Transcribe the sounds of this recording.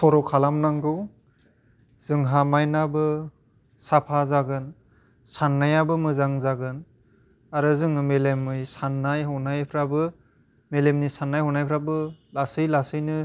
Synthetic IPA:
sʰɔɾɔkʰalamnaŋɡɯw | z̥ɯŋɦamajnabɯ | sapʰazaɡɯn | sanːajabɯmɯzaŋzaɡɯn | aɾɯzɯŋɯmelemːɯjsanːajɦɔwnajpʰɾabɯ | melemnisanːajhɔnajpʰɾabɯlasɯjlasɯjnɯ

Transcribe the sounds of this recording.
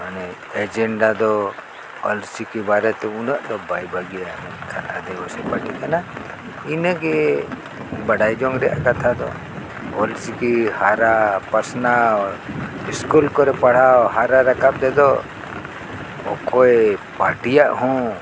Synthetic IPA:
manɛ | ɛd͡ʒɛɳɖad̪ɔ | ɔlsikɛbaɾɛt̪ɛunaʔd̪ɔbajbʱaɡijamɛkʰala̰d̪ɛbɔsɛpaʈikana | inaɡɛ | baɖajd͡ʒɔŋɡɾɛʔa̰kat̪ʰad̪ɔ | ɔlsikihaɾapasnaɔɾiskulkɔɾɛpaɽ̤awɦaɾaɾakap̚d̪ɛd̪ɔ | ɔ̰kɔɛpaɾʈijaʔɦɔ̃

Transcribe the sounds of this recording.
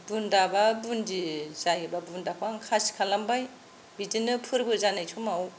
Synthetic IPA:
bundababundizajɯbabundakʰaŋkʰasi̥kʰalambaj | bidinɯpʰɯɾbɯzanajtʰumaw

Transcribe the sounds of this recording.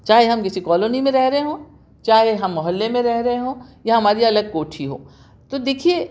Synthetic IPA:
t͡ʃaːɦeɦɐmkɪsikɔːloːnimẽɾɛɦɾɐɦeɦõː | t͡ʃaːɦeɦɐmːɐɦəlːemẽɾɛɦɾɐɦeɦõːjɐɦɐmaːɾiɐləɡ̚koːʈʰiɦo̰ː | t̪od̪eːkʰie

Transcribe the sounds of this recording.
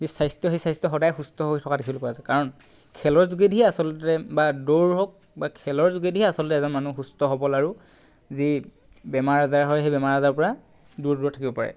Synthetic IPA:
zisajstɔɦesajstɔxɔdajxustɔɦojtʰɔkadekʰibɔlpɔazɛkaɹɔn | kʰɛlɔɹzuɡedʱiɛasɔlɔtɛbadoɹɦɔk̚ | bakʰɛlɔɹzuɡedʱiɦiasɔlɔtɛzɔnmanuxustɔɦɔbɔlaɹu | zi | bɛmaɹazaɹɦɔjɦejbɛmaɹazaɹpɔɹa | duɹduɔtʰakibɔpa̰ɹɛ̰

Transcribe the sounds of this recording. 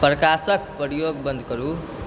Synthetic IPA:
prʌkasʌk̚pʌɾjoɡ̚bʌnd̪ʱkʌɾu

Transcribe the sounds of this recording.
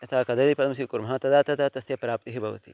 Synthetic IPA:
ɐt̪ʰaːkɐd̪ɐlipɐd̪ɐmsikuɾmɐɦat̪ɐd̪aːt̪ɐt̪at̪ɐsjɐpɾaːp̚t̪iɦibʱɐʋɐ̰t̪ḭ

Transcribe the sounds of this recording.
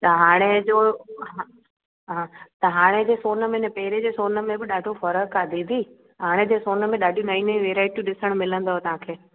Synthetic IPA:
t̪ɐɦaːɽ̃ed͡ʑoːɦa | ɦãːt̪ɐɦaːɽ̃ed͡ʑeːsoːnə̆mẽnẽpɐɦɪɾed͡ʑeːsoːnə̆mẽbɪɗaːɖʱofɐɾəkːad̪ʱĩːd̪ʱiː | ɦaːɽ̃ed͡ʑeːsoːnə̆mẽɗaːɖʱjũnaːinəĩʋeːɾaːɪʈjĩɗɪsəɽ̃mɪlə̃nd̪oɦet̪ɐʋ̤ãkʰeː

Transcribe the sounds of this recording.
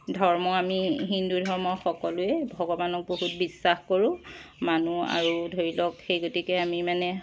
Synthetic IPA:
dʱɔɹmɔamiɦindudʱɔɹmɔxɔkɔluɛbʱɔɡɔbanɔk̚boɦut̚bisːaxkoɹʊ̃manua̰ɹudʱoɹilɔkxejɡotikɛamimanɛ

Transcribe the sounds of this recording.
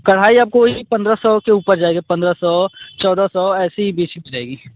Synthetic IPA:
kɐɽ̤aːiaːp̚koipɐ̃nd̪ɾasɔːkeuːpəɾd͡ʒaːeːɡepɐ̃nd̪ɾasɔt͡ʃɔːd̪asɔɛːsiɦibeːt͡ʃimid͡ʒaːeːɡiː

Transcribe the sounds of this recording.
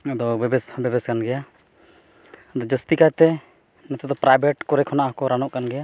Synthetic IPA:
əd̪ɔbɛbɛsbɛbɛskanɡɛja | əd̪ɔd͡ʒəst̪ikat̪ɛ | nɛt̪ɛd̪ɔpɾajbʱɛʈkɔɾɛkʰɔnaʔkɔɾanɔʔkanɡɛja

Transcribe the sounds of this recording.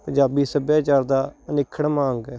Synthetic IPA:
pəd͡ʒaːbiːsəbjaːt͡ʃaːɾd̪aːnɪkʰːəɽmãːŋɡɛː

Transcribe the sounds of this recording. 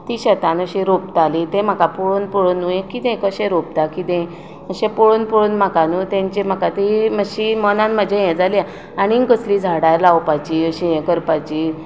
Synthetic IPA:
t̪iɕət̪ãnəɕẽɾop̚t̪alit̪ẽm̤akapoɭonpoɭonujẽkit̪ẽkəɕẽɾop̚t̪akit̪ɛ̃ | əɕɛ̃poɭonpɔɭunmakanut̪ɛ̃ɲt͡ɕem̤akat̪iməɕimənãnməd͡ʑʱẽjɛ̃d͡zalia | aɽ̃ikəsliːd͡zʱaɽajɾlawpajd͡ʑiəɕĩjɛ̃kəɾpajd͡ʑi

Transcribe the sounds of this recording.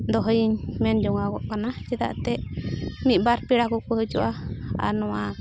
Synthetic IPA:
d̪ɔɦɔjiɲmɛnd͡ʒɔŋaɡɔʔkanad͡ʒɛd̪a̰ʔt̪ɛʔmit̪̚ˀbaɾpiɽakukəhəd͡ʒɔʔaa̰nɔwa

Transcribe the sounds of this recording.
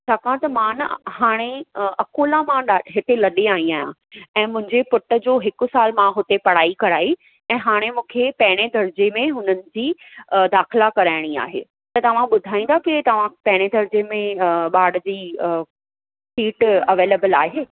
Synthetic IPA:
t͡ɕʰaːkaãt̪ɐmãnhaːɽ̃eɐkuːlãmãɗaɦɪt̪elɐɗeaːĩaːɦijã̰ | ɛ̃ːmʊ̃ɦɪ̃ɲd͡ʑepʊʈə̆d͡ʑoːɦɪkʊ̆saːlmãɦʊt̪epɐɽ̤aːikɐɾaːi | ɛ̃ːɦaːɽ̃emũːkʰepɛːɪɽ̃ed̪ʱɐɾd͡ʑemẽɦʊnənɪ̆d͡ʑiːd̪aːxɪlakɐɾaːɪɽ̃ia̰ːɦḛː | t̪ɐt̪ɐʋ̤ãɓʊd̪ʱaːĩnd̪akɪt̪ɐʋ̤ãpɛɦɪɽ̃ed̪ʱɐɾd͡ʑemẽɓaːɽd͡ʑiː | fiːʈɐʋeːleːbəlaːɦeː

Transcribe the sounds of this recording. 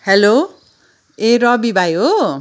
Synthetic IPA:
helo | eɾʌbibʱajo

